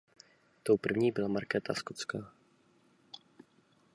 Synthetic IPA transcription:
t̪o̞wpr̩vɲiːbɪlamaɾkɛːt̪ʰaskot͡skaː

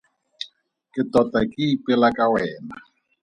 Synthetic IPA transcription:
kʼɪtʼɔtʼakʼiːpʼɪlakʼawɛːna

